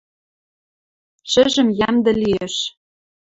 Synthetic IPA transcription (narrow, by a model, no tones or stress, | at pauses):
ʃɘ̆ʒɘ̆mjæmd̪ɘ̆liĕʃ